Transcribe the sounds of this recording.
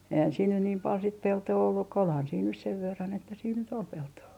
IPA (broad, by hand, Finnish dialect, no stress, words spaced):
eihæn siːn nyn niːm pɑl sit peltoː olːuk ko olhɑn siːn nys seʋ ʋerːɑn etːæ siːn nyt ol peltoː